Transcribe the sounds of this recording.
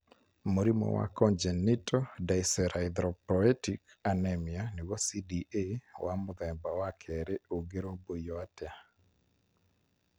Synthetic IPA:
moɾimɔ̰wa̰kɔnd͡ʒɛnːitʰɔdajsɛɾaɪd̪ɾɔpɔɛtik | anɛmjaniwɔsidiʔewʔamʊðɛmbawakʰɛɾeoɡeɾobojɔatɛa

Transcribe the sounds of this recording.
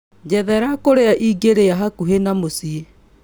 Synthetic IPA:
d͡ʑɛðɛɾakoɾeaʔiɡeɾeaɦakuɦenamosie

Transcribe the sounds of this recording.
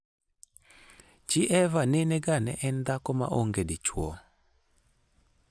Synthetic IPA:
t͡ʃɪʔɛvanɪnɛɡanɛ̰ʔɛnd̪akɔma̰ʔoŋɡedɪt͡ʃwɔ̰

